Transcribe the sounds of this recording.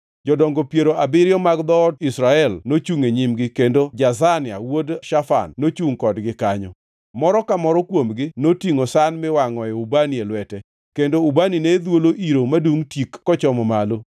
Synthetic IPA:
d͡ʒɔdɔŋɡɔpjeɾoʔabɪɾjɔmaɡd̪ɔdisɾaɛlnot͡ʃuŋeɲimɡɪkendod͡ʒazanɪa̰wodʃafa̰nːot͡ʃuŋkɔdɡɪkaɲɔ | mɔɾɔkamɔɾɔkwomɡɪnotiŋosanmɪwaŋɔjɛubanielwɛtɛ | kendoubanined̪woloʔiɾomaduŋtikːɔt͡ʃɔmɔmalo

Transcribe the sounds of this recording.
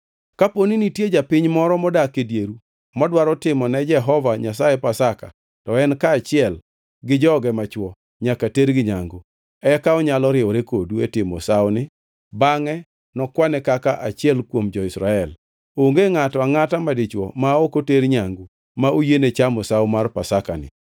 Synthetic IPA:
kaponinitjed͡ʒapɪɲmɔɾɔmɔdakedjeɾu | mɔdwaɾɔtɪmɔnɛd͡ʒɛɦɔvaɲas̬aepasaka̰ | tɔɛnkaːt͡ʃɪɛl | ɡɪd͡ʒɔɡɛmat͡ʃwɔ | ɲakateɾɡɪɲaŋɡo | ɛkaɔɲalɔɾɪwɔɾekoduetɪmɔ̰saonɪ | baŋɛ | nɔkwanɛkakaʔat͡ʃɪɛlkwomd͡ʒɔɪsɾaɛl | oŋɡeŋatɔaŋatamadɪt͡ʃwɔ̰maokoteɾɲaŋɡo | maʔojenet͡ʃamɔsawmarpasakanɪ̰

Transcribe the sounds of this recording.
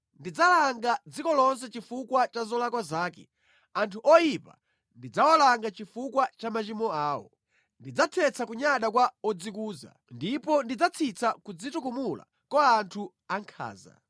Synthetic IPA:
ndid͡zalaŋɡad͡zikɔlɔns̬ɛt͡ʃifukwat͡ʃazɔlakwazaːkɛ̰ | antʰuʔɔjipa̰ | ndid͡zawɔlaŋɡat͡ʃifukwat͡ʃamat͡ʃimɔaːwɔ̰ | ndid͡zatʰɛt͡sʰakuɲaɗakwaɔd͡zikuːza̰ | ndipɔndid͡zat͡sʰit͡sʰakud͡zitukumula̰ | kɔantʰu | aŋkʰa̰ːza̰

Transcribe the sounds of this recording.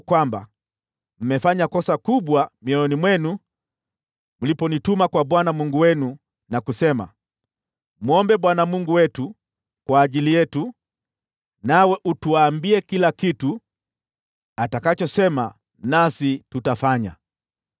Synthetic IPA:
kwamba̰ | m̩mɛfaɲakɔsakuɓwamiɔɔnimwɛnu | mulipɔnitumakwaɓwanamuŋɡuwɛnu | nakusɛma̰ | m̩ɔmbɛɓwanamuŋɡuwɛtu | kwaːʄilijɛtu | nawɛʔutuaːmbiɛkilakitu | atakat͡ʃɔsɛma | nasitutafaɲa̰

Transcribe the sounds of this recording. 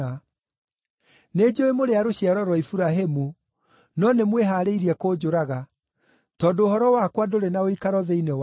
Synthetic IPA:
ned͡ʑoemoɾeaɾoɕiaɾɔɾwɔifuɾaɦemu | nɔnemweɦaːɾeiɾiɛkod͡ʑoɾaɣa | tɔːndoːɦɔɾɔwakwadoɾenaoikaɾɔðeinew

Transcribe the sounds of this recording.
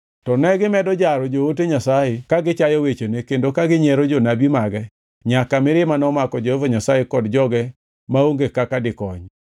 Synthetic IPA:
tɔnɛɡɪmɛdɔd͡ʒaɾɔd͡ʒooteɲasajekaɡɪt͡ʃajɔwet͡ʃonekendokaɡɪɲɛɾod͡ʒonabimaɡɛ | ɲakamɪɾɪmanɔmakɔd͡ʒohovoɲasajekɔdd͡ʒɔɡɛ | maoŋɡekakadɪkɔɲ

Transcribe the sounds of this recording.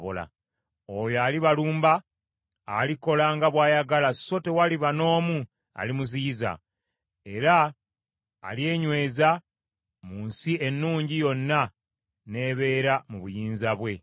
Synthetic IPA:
βola̰ | ojoaːliβaluːmbaː | liko̞laŋɡaβwaːjaɡalaso̞te̞waliβano̞ːmu | a̰limuziza̰ | e̞ɾa̰ː | lie̞ːɲwe̞ːza | muːnsie̞nːuːɲɟijo̞nːa | ne̞βe̞ːɾamuβujiːnzaβwe̞

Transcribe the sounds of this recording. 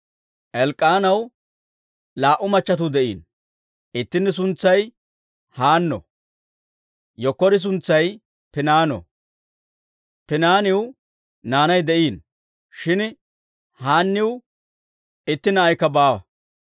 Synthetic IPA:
ʔɛlkʼːaːnɐw | laːʔʊmɐt͡ʃːɐt̪̬ud̪ɛʔiːn | ɪt̪ːɪnːɪs̬ʊnt͡sːɐj | haːnːɔ̰ | jɔkːɔɾɪs̬ʊnt͡sːɐj | pɪnaːnɔ̰ | pɪnaːnɪw | naːnɐjd̪ɛʔiːn | ʃɪn | haːnːɪw | ɪt̪ːɪnːɐːjkːɐbaːwɐ̰

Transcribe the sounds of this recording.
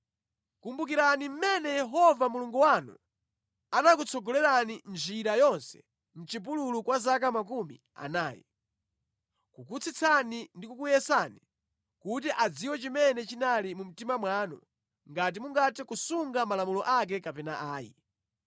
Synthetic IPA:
kumbuk̬iɾanim̩mɛnɛjɛɦɔvamuluŋɡuwanṵ | anak̬ut͡sʰɔɡɔlɛɾanind͡ʒiɾajɔnsɛ̥̰ | m̩t͡ʃip̬ululukwazak̬amakumḭ | a̰naːjḭ | kukut͡sʰit͡sʰanindikukujɛsani | kut̬iʔad͡ziwɔt͡ʃimɛnɛt͡ʃinalimum̩timamwaːnṵ | ŋɡat̬imuŋɡatikusuŋɡamalamulɔʔak̬ɛkapɛnaʔaːjḭ

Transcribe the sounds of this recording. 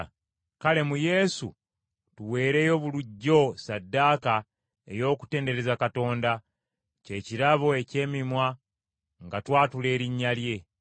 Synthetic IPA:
kale̞muje̞sṵ | tuwe̞ːɾe̞ːjo̞βuluɟːo̞sadːaːka | e̞̰jo̞ːku̥te̞ːnde̞ɾe̞zakato̞ːnda | ce̞ciɾaβoe̞ce̞ːmimwa | ŋɡatwaːtule̞ːɾiɲːalje̞

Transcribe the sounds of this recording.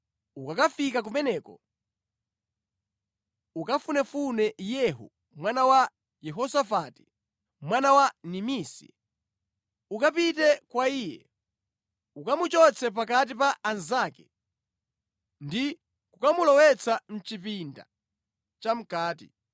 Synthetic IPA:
ukakafikak̬umɛnɛːkɔ | ukafunɛfunɛjɛɦṵ | mwanawa | jɛɦɔsafati̥ | mwanawanimiːsḭ | ukapitɛkwaiːjɛ̰ | ukamut͡ʃɔt͡sʰɛp̬ak̬at̬ipaʔanzaːkɛ | ndi | kukamulɔwɛt͡sʰan̩t͡ʃipinda̰ | t͡ʃam̩kaːtḭ

